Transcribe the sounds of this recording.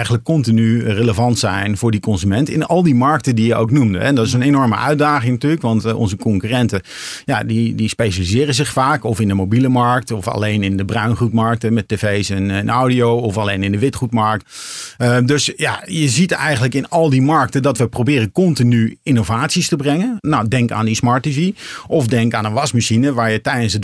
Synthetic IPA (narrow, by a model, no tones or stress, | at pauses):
ɛjχənləkːɔntinyreləvɑntsɛjnvʊːɹdikɔnzymɛntɪ̰nɑlˠdimɑɹk̚tədijəʔo̰wknumdəɛndɑtɪs̬ənenɔɹmə̰ʔœ̰ɥdaːχɪŋnɐtyːləkʋɑntɔ̰nzəkɔŋkyrɛntə | ja̰didispejʃalizɪːrəzɪχfaːkɔfɪndəmowbiləmɑɹk̚tɔfɑ̰lejnɪndəbrœɥnχutmɑɹk̚təmɛtevejsɛnnʔowdiowɔfalejnɪndəʋɪtχutmɑɹk̚tədɵsja̰jəzitɛ̰jχənləkɪnɑlˠdimɑɹk̚tədɑtʋəprobɪːrənkɔntinyinovaːtsistəbrɛŋənnawdɛŋka̰ːndismɑɹtiviʔɔfdɛŋkaːnəʋɑsmaʃinəʋaːɹjətɛjdənsə